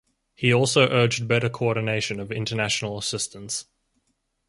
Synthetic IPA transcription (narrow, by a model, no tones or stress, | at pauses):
hiɔˑlˠsəʊʔɜːd͡ʒdbɛɾəkʰəɔˑdⁿn̩eɪʃə̃nəvɪ̰̃ntənaʃənəl̩ˠəsɪstə̃ns